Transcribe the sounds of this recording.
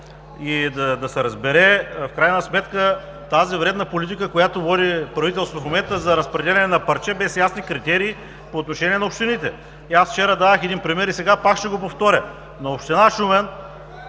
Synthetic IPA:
id̪ɐd̪ɐsɛɾɐzbɛɾɛfkɾajnəsmɛt̪kə | t̪azivɾɛd̪nɐpolʲit̪ikəkojat̪ovɔd̪ipɾɐvit̪ɛlˠsot̪ofmomɛnt̪əzɐɾɐspɾɛd̪ɛlʲɛnɛnɐpɐɾt͡ʃɛbɛsjasnikɾit̪ɛɾiː | poːt̪noʃɛnʲiɛnɐopʃt̪init̪ɛ | iasft͡ʃɛɾɐd̪aəxɛd̪inpɾimɛɾisɛɡapakʃt̪ɛɡopoft̪ɔɾʲə | noopʃt̪inaʃumɛn

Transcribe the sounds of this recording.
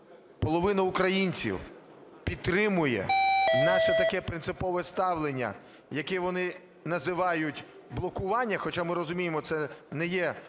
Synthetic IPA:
pɔlˠɔʋɪnɐʊkɾɐjinʲt͡sʲḭw | pʲid̪̚t̪ːɾɪmʊjɛ̰nɑʃɛt̪ɐkɛpɾɪnsɪpɔʋɛst̪ɑʋlˠenʲːɐ̰ | jɐkɛʋɔnɪ | nɐzɪʋɑjʊtʲ | blˠɔkʊʋɑnʲːɐxɔt͡ʃamɪɾɔzʊmʲijemɔt̪sɛnɛjɛ

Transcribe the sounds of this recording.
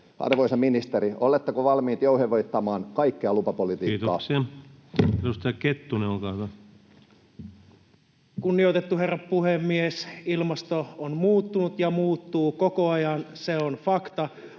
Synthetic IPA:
ɑ̰rʋoisɑminist̪eɾiolet̪ːɑkoʋɑlmiːt̪jouheʋoit̪ːɑmɑːnkɑikːeɑlupɑpolit̪iiːt̪oɑ̰siɑ | edust̪ɑjɑket̪ːuneolkɑːyʋæ | kunːiot̪et̪ːuɦe̞rːɑppuhemːiesilmɑst̪oonmuːt̪ːunut̪jɑmuːt̪ːuːko̞ko̞ɑjɑnseonfɑkt̪ɑ

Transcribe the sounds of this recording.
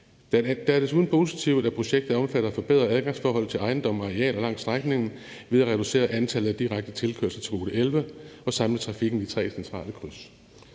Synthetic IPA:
d̥d̥ææɐd̥e̝s̬uːðˠn̩pʰo̝ːs̬it͡sʰiʊ̰ð̩ˠæpʰʁo̝ɕeɡ̥̚d̥ð̩ˠɒ̽mfæɾ̥ɐæfɒ̽b̥e̝ðˠʁɐæðˠɡ̥ɑ̈ŋsfɒːɦɒ̽l̰̩ˠt͡sʰe̝lɑ̈ɪn̩d̥ɒ̽m̰ɑʁɛ̰ːlɒ̽lɑ̈ŋ̰sd̥ʁaɡ̥ne̝ŋn̩ | ʋe̝ðˠæʁɛd̥use̝̰ːɐʔænt͡sʰælð̩ˠæd̥iʁaɡ̥̚d̥ət͡sʰe̝lkʰø̰ɐlsɐt͡sʰe̝ʁo̝ːɾ̥əelʋəɒ̽sɑ̈mlət͡sʰʁɑ̈fiɡ̥n̩d̥it͡sʰʁɛ̰ːsent͡sʰʁɑ̰̈ːləkʰʁys

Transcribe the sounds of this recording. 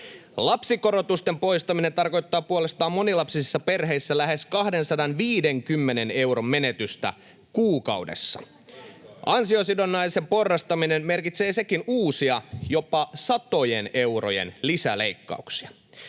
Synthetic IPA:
lɑpsikoɾot̪ust̪empo̞ist̪ɑminent̪ɑrko̞jt̪ːɑːpuole̞st̪ɑːmːo̞nilɑpsisisːɑpe̞rɦe̞isːælæɦe̞skɑhde̞nsɑdɑnʋiːdeŋkymːenene̞uɾommenet̪yst̪æ̰ | kuːkɑ̰uwdḛsːɑ̥̰ | ʔɑnsiosidonːɑise̞mpo̞rːɑst̪ɑminemme̞rkit̪seːse̞kinuːsiɑjopɑsɑt̪o̞jene̞uro̰jḛnlisæleikːɑ̰uksi̥ɑ

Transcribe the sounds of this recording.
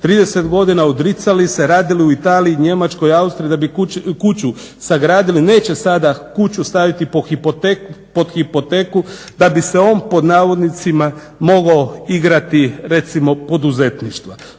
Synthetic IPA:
t̪ɾiːd̪e̞se̞t̪ɡo̞d̪inaud̪ɾit̪salise̞ɾaːd̪ilijuit̪aːliiɲe̞mat͡ʃko̞iaust̪ɾiːd̪abikut͡ɕu | saɡɾaːd̪iline̞ːt͡ɕe̞sad̪akut͡ɕust̪aʋit̪ipoxipot̪epod̪xipo̞t̪e̞ːku | d̪abise̞o̞ːnpo̞d̪naːʋo̞d̪nit̪sima | mo̞ɡaoiɡɾat̪iɾe̞t̪simo̞po̞d̪uze̞t̪niʃt̪ʋa

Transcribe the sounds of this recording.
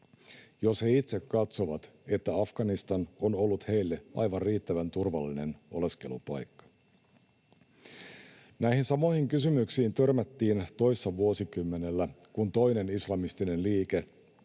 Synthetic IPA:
jo̞she̞it̪se̞kːɑt̪so̞ʋɑt̪ | e̞t̪ːæɑfɡ̥ɑnist̪ɑno̞no̞lːut̪he̞jlːe̞ʔɑ̰jʋɑnrriːt̪ːæʋænt̪urʋɑlːine̞no̞̰le̞ske̞lupɑ̰jkːɑ̥ | næihinsɑmo̞ihiŋkysymyksiːnt̪ø̞rmæt̪ːiːnt̪o̞jsːɑʋuosikymːe̞ne̞lːækunt̪o̞jne̞nislɑmist̪ine̞nliːke̞

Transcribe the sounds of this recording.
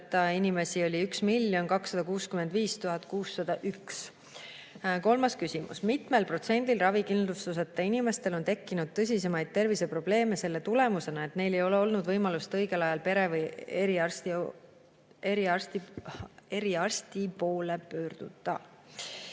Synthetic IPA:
t̪ːˑɑinime̞sio̞lʲiyksmilːjo̞nkɑksːɑd̪̥ɑkuːskyme̞nd̪viːst̪uɦɑt̪ːkuːsːɑd̪̥ɑʔyks | ko̞lmɑskysimṵsmit̪me̞lpro̞t̪se̞nʲd̪ilrɑvikind̪lust̪us̬et̪ːˑɑinime̞st̪e̞lo̞nt̪e̞kːinud̪̥̚t̪ɤs̬ʲise̞mɑjd̪̥̚t̪e̞rvise̞pro̞b̥le̞ːme̞se̞lːe̞t̪ule̞muse̞nɑe̞t̪ne̞jle̞jo̞le̞o̞lnud̪vɤjmɑlust̪ɤ̞jɡe̞lɑjɑlpe̞ɾeveɾiɑrst̪ | eɾiɑrst̪i | e̞ɾiɑrsʲt̪ipo̞ːle̞pø̞ːrd̪̥ud̪̥ˑɑ

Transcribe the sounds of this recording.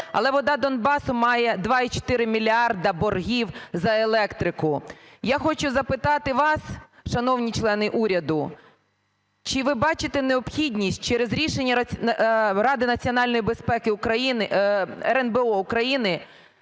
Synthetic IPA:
ɐ̰lˠɛʋɔd̪ɑd̪ɔnbɑsʊmɑjɛd̪ʋɑit͡ʃɔ̥t̪ɪɾɪmʲilʲiɑrd̪ɐbɔrɦʲiwzɐelˠɛkt̪ɾɪkʊjaxɔt͡ʃʊzɐpɪt̪ɑt̪ɪʋɑsʃɐnɔwnʲit͡ʃlˠɛnɪʔuɾʲɐd̪ʊ | t͡ʃɪʋɪbɑt͡ʃɪt̪ɛneɔpxʲidʲnʲisʲt̚ʲt͡ʃɛɾezɾʲiʃenʲːɐɐ | ɾɑd̪ɪnɐt͡sʲiɔnɑlʲnɔjibespɛkɪʊkɾɐjinɛɾɛnbeɔʊkɾɐjinɪ

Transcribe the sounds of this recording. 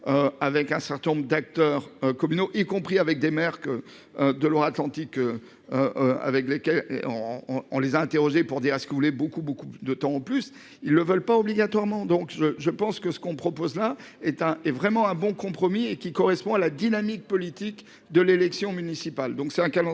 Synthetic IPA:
øavɛkɛ̃sɛʁt̪ɛ̃nɔ̃bʁd̪ak̚t̪œʁøkɔmynoʔikɔ̃pχiavɛk̚d̪emɛʁk | ød̪əlwaat̪lɑ̃t̪ikø | øa̰vɛklekʲɛlḛ̃ | ɔ̰̃lezaɛ̃t̪eʁɔʒepuʁd̪iʁɛskəvulɛbokubokud̪ət̪ɑ̃ːplys | ilːəvœlpaɔbliɡat̪waʁmɑ̃d̪ɔ̃kʒəʒəpɑ̃skəsə̥kɔ̃pχɔpozla | ɛt̪ɛ̃ɛvʁɛmɑ̃ɛ̃bɔ̃kɔ̃pχɔmiekʲikɔʁɛspɔ̃alad̪inamik̚pɔlit̪ik | d̪əlelɛksjɔ̃mynisipald̪ɔ̃ksɛt̪ɛ̃kalɑ̃

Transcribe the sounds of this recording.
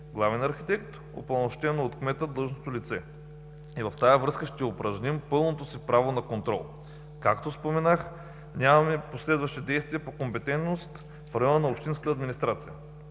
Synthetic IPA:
ɡlˠavɛnɐɾxit̪ɛkt̪ | o̰pɐnoʃt̪ɛnot̪kmɛt̪əd̪lˠɤlˠʒnot̪olit̪sɛ | ivɐft̪ajəvɾɤskəʃt̪ɛopɾɐʒnʲimpɤlˠnot̪osipɾavonɐkont̪ɾɔ̰lˠ | kakt̪ospomɛnax | nʲamɐmɛposlɛd̪vɐʃt̪id̪ɛjst̪viəpokompɛt̪ɛnt̪nost̪ | fɾɐjɔnənɐopʃt̪inskə̥t̪əːd̪minʲist̪ɾat̪sijə

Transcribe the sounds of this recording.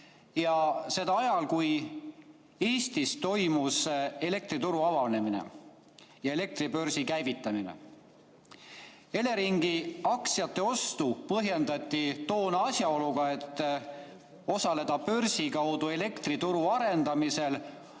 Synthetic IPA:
jɑse̞d̪̥ɑɑjɑlkuj | eːst̪ist̪o̞jmuse̞le̞k̚t̪ɾit̪uɾuɑvɑlne̞minḛ | jɑe̞le̞k̚t̪ɾibø̞ɾsikæjvit̪ˑːɑminḛ | e̞le̞ɾiŋɡiɑksjɑt̪ˑːe̞o̞st̪upɤɦje̞nd̪ɑt̪ʲˑːit̪o̞ːnɑɑsʲjɑo̞luɡɑe̞t̪ːˑ | o̞sɑle̞d̪̥ɑpø̞rsikɑwd̪ue̞le̞kt̪rit̪uɾuɑɾe̞nd̪̥ɑmise̞l

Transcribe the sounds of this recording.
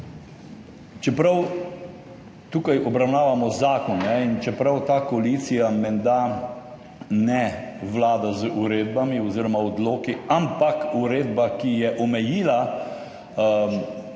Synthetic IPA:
t͡ʃɛpɾaw | t̪uːkajɔbɾawnaːʋamɔzaːkɔnːɛint͡ʃɛpɾawt̪aːkoaliːt̪sijamɛnd̪a | nɛʋlaːd̪azuɾeːd̪̚bamiɔziːɾɔmaɔd̪loːkiampakuɾeːd̪bakijɛʔɔmɛjiːla

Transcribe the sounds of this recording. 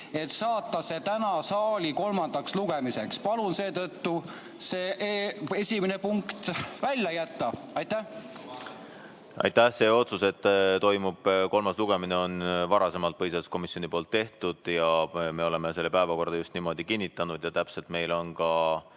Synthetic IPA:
e̞t̪sɑːt̪ːɑse̞t̪ænɑsɑːlʲiko̞lmɑnd̪̥ɑksluɡ̥emise̞kspɑlunse̞ːt̪ɤt̪ːu | seːʔe̞sʲimenepuŋkt̪vælʲjɑjæt̪ːɑ | ɑjt̪æh | ʔɑ̰jt̪ːæhse̞ːo̞t̪suse̞t̪ːˑt̪o̞jmub̥ko̞lmɑsluɡ̥e̞mineo̞nvɑɾɑse̞mɑlt̪̚pɤjsesko̞misio̞nipo̞ːlt̪ːe̞ht̪ud̪̥jɑme̞o̞lemese̞lːepæevɑko̞rd̪̥ɑjust̪nimo̞d̪̥ikinʲːit̪ːˑɑnud̪̥jɑt̪æpse̞lt̪me̞jlo̞nkɑ

